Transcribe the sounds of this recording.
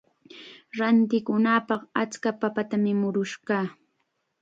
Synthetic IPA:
ɾant̪ɪkʊnapɑqat͡skapapat̪amɪmʊɾʊʃɢɑː

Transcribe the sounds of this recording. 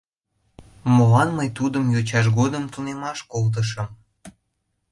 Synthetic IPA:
molɑnməjt̪ud̪əmjot͡ɕɑʃ̬ɡod̪əmt̪unemɑʃkolt̪̬əʃ̬əm

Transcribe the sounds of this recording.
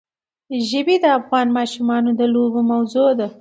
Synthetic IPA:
ʒəbid̪əafɣɑːnmɑːʃumɑnod̪əlobomawzod̪a

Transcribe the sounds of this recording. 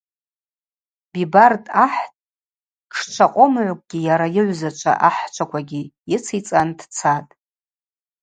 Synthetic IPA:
bibartʼaħtʼ | ʈ͡ʂʰt͡ʃʷʰaqʷʼomʕʷkʷʼɡʲijaɾajɪʕʷzat͡ʃʷʰa̰ʔaħt͡ʃʷʰakʷʰaɡʲijɪt͡sʰit͡sʼandʰt͡sʰatʼ

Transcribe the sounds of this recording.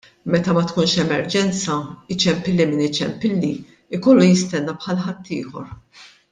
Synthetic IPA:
mɛt̪ɐmɐt̪kuːnʃɛmɛɾd͡ʒɛnt͡sɐɪt͡ʃːɛmpɪlːimɪnɪt͡ʃːɛ̰mpɪlːi | ɪkɔlːujɪst̪ɛnːɐpħɐlħɐt̪ʰːḭːħɔ̰ɾ

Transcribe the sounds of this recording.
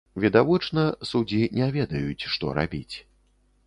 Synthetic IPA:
vʲid̪avɔt͡ʂnɐsud͡zʲinʲɛvʲɛd̪ɐjut͡sʲʂt̪ɔ̰ɾa̰bʲit͡sʲ

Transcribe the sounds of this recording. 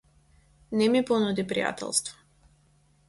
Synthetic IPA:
nɛmipɔnud̪ipɾḭja̰t̪ʰɛ̰lˠst̪vɔ̥

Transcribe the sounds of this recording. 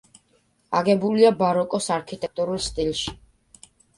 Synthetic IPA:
aɡɛbuliabaɾɔkʼɔsaɾkʰit̪ʼɛk̚t̪ʼuɾulˠst̪ʼilˠʃi̥

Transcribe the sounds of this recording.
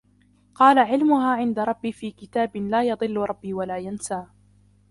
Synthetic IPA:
qɑːlaʕɪlmʊɦaːʕɪnd̪aɾˤɑbːiːfiːkɪt̪aːbɪlaːjɑd̪ˤɨlːʊɾˤɑbːiːwalaːjansaː

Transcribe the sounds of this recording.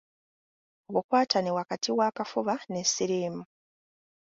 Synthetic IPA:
oβukwaːtʰanewakatʰiwaːkafuβanesiɾeːmu

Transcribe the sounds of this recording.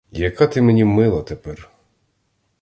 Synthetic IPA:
jɐkat̪ɪmɛnʲimɪlˠɐt̪ɛpɛr

